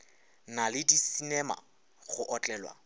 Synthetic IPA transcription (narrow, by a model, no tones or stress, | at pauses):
nalɪdisinɛma̰ | χʊʔɔt͡ɬʼɛːlwa̰